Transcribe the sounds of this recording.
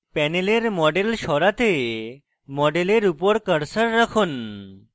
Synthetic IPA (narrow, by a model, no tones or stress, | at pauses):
pɛneleɾmɔɖelʃɔɾat̪e | mɔɖeleɾupɔɾkəɾsəɾːəkʰon